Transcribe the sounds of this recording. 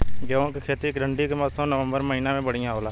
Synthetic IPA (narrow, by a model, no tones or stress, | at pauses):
ɡəõːkekʰeːt̪iːkɾəɳɖiːkemət̪sõːnəʋə̃mbəɾməɦiːnaːmẽːbəɽ̤ɪjãːɦoːlaː